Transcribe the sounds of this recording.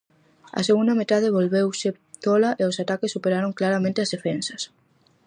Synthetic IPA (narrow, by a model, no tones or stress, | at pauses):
ɐ̰seɣund̪amet̪að̞eβolβewse | t̪olaʔeosat̪akesːupeɾaɾoŋklaɾamẽnt̪eɐzðefensɐs